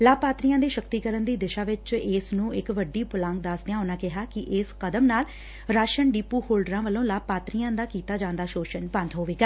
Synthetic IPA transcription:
laːpaːt̪ɾiːãːd̪iːʃəkt̪iːkəɾənd̪iːd̪ɪʃaːʋɪt͡ʃeːsnũːɪkʋəɖiːpʊlãːŋɡ̚d̪aːsd̪ɪjãːʊnãːkɪɦaːkɪʔɪskəd̪əmnaːl | ɾaːʃənɖiːpːuːhoːlɖɾãːʋəlõːlaːpaːt̪ɾiːãːd̪aːkiːt̪aːd͡ʒãːnd̪aːʃoːʃənbə̃nd̪ɦoːʋeːɡaː

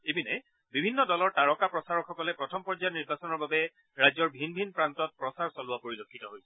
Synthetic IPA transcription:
ebinɛ | bibʱinːɔdɔlɔɹtaɹɔkapɹɔsaɹɔɹkxɔkɔlɛpɹɔtʰɔmpɔɹd͡ʒajniɹbasɔnɔɹbabɛ | ɹajzɔɹbʱinbʱinpɹantɔt̚pɹɔsaɹsɔlʊwapoɹilokʰːitɔɦojsɛ

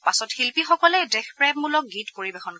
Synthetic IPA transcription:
pasɔthilpixɔkɔlɛdɛxpɹɛmulɔk̚ɡitpoɹibexʰɔn

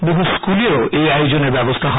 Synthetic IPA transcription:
boɦuskuleoʔejajod͡ʑoneɾbɛbost̪ʰaɦɔ

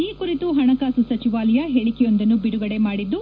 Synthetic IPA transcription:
iːkuɾit̪uɦɐɳɐkaːsusɐt͡ʃiʋaːlɐjɐɦeɭikɛjond̪ɐnːubiɽuɡɐɽe̞maːɽid̪ːu

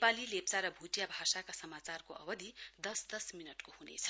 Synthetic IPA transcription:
palilept͡saɾʌbʱuʈijabʱasakasʌmat͡sarkoʔʌbʌd̪ʱid̪ʌsd̪ʌsminʌʈkohunḛt͡sʰʌ̥

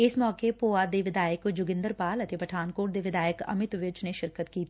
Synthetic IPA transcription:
ɪsmɔːkepoːad̪eʋɪd̪aːjəkd͡ʒʊɡɪ̃nd̪əɾpaːlət̪epəʈʰaːnkoːʈ̚d̪eʋɪd̪aːjəkɐ̰mɪt̪ʋɪt͡ʃneʃɪɾkət̪kiːt̪i

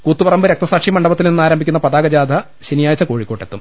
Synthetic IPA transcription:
kuːt̪ːupɐrɐmbɨɾe̞k̚t̪ɐsaːkʂimɐɳɖɐbɐt̪ːilninːaːɾɐmbʱikʲunːɐpɐd̪aːɡɐd͡ʑaːd̪ʱɐ | ɕinijaːjt͡ɕːɐko̞ːɻikʲːo̞ːʈːe̞t̪ːum

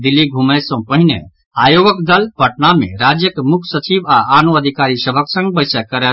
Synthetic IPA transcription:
d̪ilːiɡʱuməsə̃pəɦinḛ | ajoɡəkd̪əlpəʈnamḛɾad͡ʒjəkmukʰsət͡ʃibaanuəd̪ʱikaɾisəbʱəksə̃ŋɡbəɪsəkəɾɛ

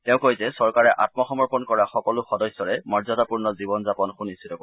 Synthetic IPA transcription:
tɛʊ̃kojzɛsɔɹkaɹɛʔat̚mɔxɔmɔɹpɔnkɔɹaxɔkɔlʊxɔdɔsːɔɹɛmɔɹzɔtapuɹnɔzibɔnzapɔnxunist̪ʰitɔko

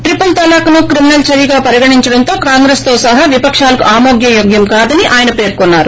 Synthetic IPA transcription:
ʈɾipɐlt̪ɐlaːkɐnukɾiminɐlt͡ʃɐɾiɡaːpɐɾiɡɐɳiɲt͡ʃɐɽɐnt̪o̞ːkaːŋɡɾeːst̪o̞ːsɐɦaːʋipɐkʂaːlɐkṵʔaːmoːɡjɐjoːɡjɐmkaːd̪ɐniʔaːjɐnɐpe̞ːɾkɔnːaːɾu

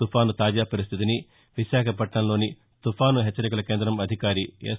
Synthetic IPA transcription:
upʰaːnut̪aːd͡ʒaːpɐɾis̬t̪ʰit̪ini | ʋiʃaːkʰɐpɐʈɳɐnlo̞ːni | t̪upʰaːnuɦɛt͡ʃːɐɾikulɐke̞ːnd̪ɾɐmɐd̪ʱikaːɾiḛː

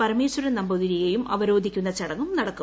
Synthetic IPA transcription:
pɐɾɐmeːswɐɾɐnɐmbɐðiɾijejumʔɐʋɐɾo̞ːd̪ʱikʲːunːɐt͡ɕɐɽɐŋːumnɐɽɐkːu

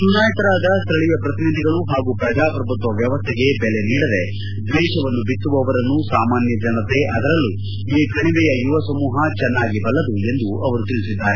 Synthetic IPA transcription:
sunaːjɐt̪ɐɾaːd̪ɐst̪ʰɾɐɭijɐpɾɐt̪inid̪ʱiɡɐɭuɦaːɡupɾɐd͡ʒaːpɾɐbʱut̪ʋɐʋjɐʋɐst̪ʰɛɡe̞bɛle̞niːɽɐd̪e̞ | d̪ʋɛːʃɐʋɐnːubit̪ːuʋɐʋɐɾɐnːusaːmaːnjɐd͡ʒɐnɐt̪e̞ʔɐd̪ɐɾɐlːu | iːkɐɳibɛjɐjuʋɐsɐmuːɦɐt͡ʃɛnːaːɡibɐlːɐd̪ue̞nd̪uʔɐʋɐɾut̪iɭisid̪ːaːɾe

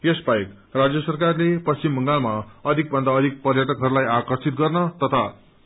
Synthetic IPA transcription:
jesbajik | rad͡zjʌsʌrkarlepʌst͡ɕimbʌŋɡalmaʌd̪ʱik̚bʱʌnd̪aʌd̪ʱik̚pʌrjaʈʌkɦʌɾulajakʌrsit̪̚ɡʌrnʌt̪ʌt̪ʰa

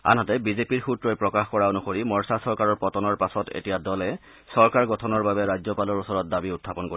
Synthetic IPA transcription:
a̰nɦatɛbizepiɹxutɹɔjpɹɔkaxkɔɹaonuxoɹimɔɹsasɔɹkaɹɔɹpɔtɔnɔɹpasɔtʰḛtijadɔlɛ | sɔɹkaɹɡɔtʰɔnɔɹbabɛɹajzɔpalɔɹusɔɹɔt̚dabiutʰːapɔnkoɹi

